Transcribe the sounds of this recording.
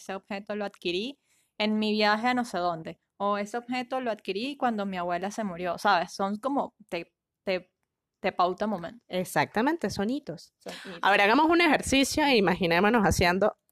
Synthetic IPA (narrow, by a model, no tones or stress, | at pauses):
eseob̥̚xe̞t̪oloaðkiɾi | e̞nmiβjaxeano̞se̞ðo̞nd̪e̞ | oe̞se̞obxe̞t̪o̞loaðkiɾikwand̪o̞miaβwe̞lase̞muɾjo̞saβe̞sːo̞ŋko̞mo̞t̪e | t̪e | t̪e̞pawt̪amõ̞mẽ̞nt̪o̥esak̚t̪amẽnt̪e̞sonit̪o̞ssa̰βe̞ɾaɣamo̞sune̞xe̞ɾsisjo̞iimaxinemonosasje̞nd̪o̞